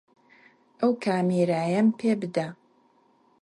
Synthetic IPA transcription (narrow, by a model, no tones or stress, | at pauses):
ʔɐwkʰaːmiːɾaːjɐmpʰeːbɨd̪a